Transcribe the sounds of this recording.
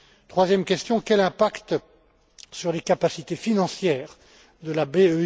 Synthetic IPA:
t̪χwazjɛmkʲɛst̪jɔ̃kʲɛlɛ̃pakt̪ | syʁlekapasit̪efinɑ̃sjɛːʁ | d̪əlabeø

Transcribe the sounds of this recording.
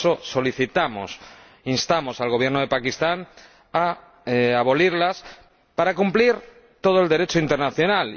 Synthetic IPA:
oso̞liθit̪amo̰s | inst̪amo̞salɣ̞o̞βje̞ɾnoð̞epakist̪an | a | aβ̞o̞liɾlas | paɾakumpliɾ | t̪o̞ð̞oe̞ld̪e̞ɾe̞t͡ʃoint̪e̞ɾnaθjo̞nal

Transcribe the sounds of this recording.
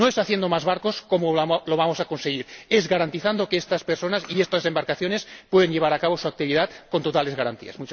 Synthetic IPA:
noesaθje̞nd̪o̞mazβaɾko̞sko̞moloβamo̞sako̞nseɣ̞iɾezɣaɾant̪iθand̪o̞keest̪aspeɾso̞nasiest̪asembaɾkaθjo̞ne̞spwe̞ð̞enʎe̞βaɾakaβo̞suak̚t̪iβiðat̪ko̞nt̪ot̪ale̞zɣaɾa̰nt̪ḭa̰smut͡ʃ

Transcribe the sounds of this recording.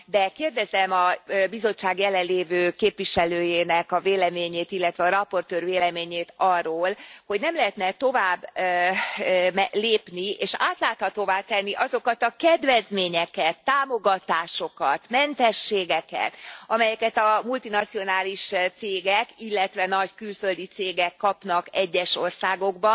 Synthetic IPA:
d̪ɛkeːrd̪ɛzɛmɒbizo̞t͡ʃːaːɡjɛlɛlleːvøːkeːpʋiʃɛløːjeːnɛkɒveːlɛmeːɲeːt̪ilːɛt̪ʋɛɒɾɒpo̞rt̪øːrveːlɛmeːɲeːt̪ɒrːoːlho̞ɟnɛmlɛɦɛt̪nɛt̪o̞vaːbː | mɛleːpnieːʃa̰ːt̪laːt̪hɒt̪oːvaːt̪ɛnːiʔɒzo̞kɒt̪ɒkɛd̪vɛzmeːɲɛkɛt̪ːaːmo̞ɡɒt̪aːʃo̞kɒt̪mɛnt̪ɛʃːeːɡɛkɛ̰t̪ɒmɛjɛkɛt̪ɒmult̪inɒt̪sio̞naːliʃt̪seːɡɛkilːɛt̪ʋɛnɒɟkylfø̞ld̪it̪seːɡɛkːɒpnɒkɛɟːɛʃo̞rsaːɡo̞ɡbɒ

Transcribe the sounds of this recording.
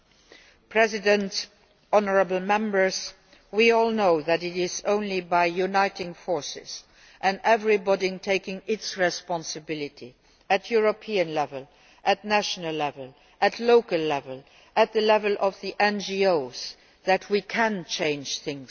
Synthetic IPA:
pʰɹ̥ɛzɪdə̃nt | ɔnəɹəbəl̩mɛ̃mbə˞z | wiɔːlˠnoʊðɨɾɪtɪzõʊ̃nlibaɪjunaɪtɪ̃ŋfɔɹsɪ̰z̥ | ʔɨ̃ndɛvɹibɔɾiŋtʰeɪkɪ̃ŋɪtsɹɛspɑ̃nsɨbɪlɪtʰi | ɨtʰjuɹopʰiə̃nlɛvəl | ʔɨtnæʃənəlːɛvəl | ʔɨtʰloʊkəlːɛvəl | ʔɨt̪̚ðəlɛvəlʔɔvðiʔɛ̃nd͡ʒioʊz | ðætʰwikʰæ̃nt͡ʃʰẽɪ̃nd͡ʒ̥θɪ̃ŋ

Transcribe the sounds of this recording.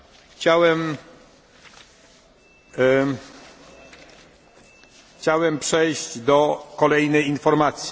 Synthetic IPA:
xt͡ɕawɛm | xt͡ɕawɛmpʂɛjɕd͡ʑd̪ɔkɔlɛjnɛjinfɔɾmat̪sʲji

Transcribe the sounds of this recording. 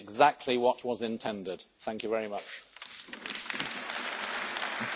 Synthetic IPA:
ɡzak̚tʰˡliwɒʔwɒzɪ̃ntʰɛ̃ndɪd̪̥θæ̃ŋkjɨvɛɹimʌt͡ʃ

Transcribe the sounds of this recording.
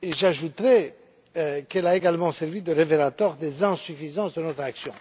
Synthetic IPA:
eʒaʒut̪ʁɛ | kɛlaeɡalmɑ̃sɛʁvid̪əʁevelat̪waʁd̪ezɛ̃syfizɑ̃sd̪ənɔt̪χaksjɔ̃

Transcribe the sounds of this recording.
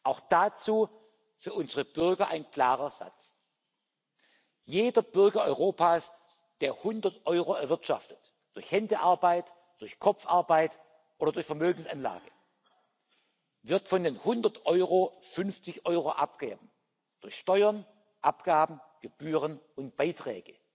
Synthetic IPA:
ʔaʊxd̥at͡suː | fyːɐʊnzəʁəb̥ʏʁɡɐʔaɪnkl̥aːʁɐz̥a̰t͡s | jeːdɐb̥ʏɐɡɐʔɔʏʁoːpʰaːs | d̥eːɐhʊndɐtʔɔʏʁoɛɐvɪɐtʃa̰ftət | d̥ʊɐçhɛndəʔaɐbaɪt | d̥ʊɐçkʰɔp͡fʔaɐbaɪt | ʔoːdɐdʊɐçfɛɐmøːɡŋ̩sanla̰ːɡ̥ə | vɪɐtfɔndeːnhʊndɐtʔɔʏʁofʏnft͡sɪçʔɔʏʁoʔap̚ɡ̥ḛːbm̩ | d̥ʊɐçʃtɔʏɐn | ʔapɡ̥aːbm̩ɡ̥əb̥yːʁən | ʊnt̚b̥aɪtʁ̥ɛ̰ːɡ̥ə

